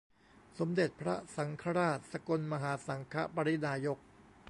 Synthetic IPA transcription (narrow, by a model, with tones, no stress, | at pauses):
so˩˦md̪e˨˩t̪̚pʰɾa˦˥sa˩˦ŋkʰa˧˥ɾaː˥˩t̪̚sa˧ko˧nma˧ɦaː˩˦sa˩˦ŋkʰa̰˦˥pa˧ɾi˦˥t̪̚naː˧jo˦˥k̚